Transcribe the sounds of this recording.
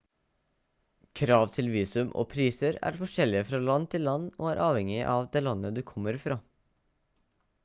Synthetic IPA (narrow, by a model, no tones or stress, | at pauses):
kʰɾɑːʋt̪ʰɪlʋiːsʉmʔo̰ːpʰɾiːsəɾæ̰ɾfɔʂɛlːɪəfɾɑːlɑnt̪ʰɪlːɑnːo̰ːæɾʔɑːʋɛŋɪʔɑʋd̪eːlɑnːəd̪ʉːkʰɔmːəɾfɾɑː